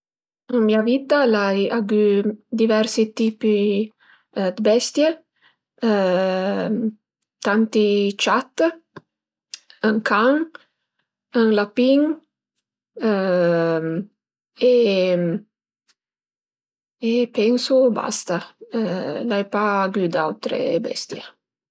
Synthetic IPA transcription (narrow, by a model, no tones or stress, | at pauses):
əŋmiavit̪alajaɡyd̪ivɛrsit̪iːpi | d̪əbɛst̪je | t̪ant̪it͡ʃat̪ː | əŋkaŋ | əŋlapiŋ | e | epɛnsʊba̰st̪a | lajpaːɡyd̪a̰wt̪ɾḛbɛ̰st̪jḛ